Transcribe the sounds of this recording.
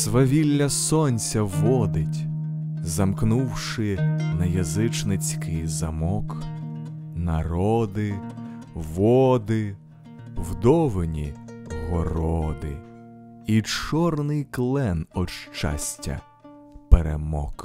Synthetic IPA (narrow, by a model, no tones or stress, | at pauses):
sʋɐʋʲilʲːɐsɔnʲsʲɐʋɔd̪ɪtʲ | zɐmknuwʃɪnɐjɐzɪt͡ʃnɪt͡sʲkɪjzɐmɔk | nɐɾɔd̪ɪ | ʋɔd̪ɪ | wd̪ɔʋenʲḭɦɔɾɔɔd̪ɪ̰ | it͡ʃɔrnɪjklˠɛnɔʃt͡ʃa̰sʲtʲɐ̰ | peɾḛmɔ̰k